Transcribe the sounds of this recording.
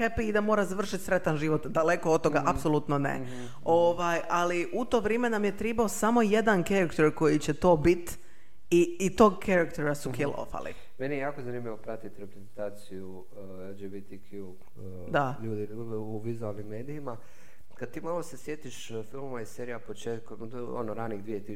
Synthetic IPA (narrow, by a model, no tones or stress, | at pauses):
xepiːd̪amo̞ːɾazaʋr̩ʃit̪sɾe̞t̪anʒiʋo̞t̪d̪ale̞koot̪t̪ːo̞ɡaʔapso̞lˠut̪nonḛ | oːʋajaliʔut̪o̞ʋɾjeːme̞namje̞t̪ɾɛbaosamo̞je̞d̪ankeɾakt̪eɾko̞jit͡ɕet̪o̞ːbit̪ | iːt̪o̞ɡkʰeɾakt̪eɾasukilo̰fa̰lˠḭ | menijejaːkozanimʎʲiʋopɾat̪it̪iɾepɾezent̪aːt̪siju | d͡ʒibit̪ikʰju | d̪aʎuːd̪i | uʋizualˠnimːe̞ːd̪iima | kad̪̚t̪iːmalosesjet̪iʃ | filˠmmaiseɾijapot͡ʃeːt̪kom | o̰noɾaːniːɣd̪ʋijet̪i